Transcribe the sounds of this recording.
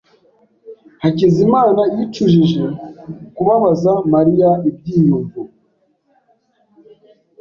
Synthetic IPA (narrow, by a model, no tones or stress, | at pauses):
hacizimaːnajit͡ʃuʒiʒe̞kuβaβazamaɾijaib̚ɟiːjuɱvu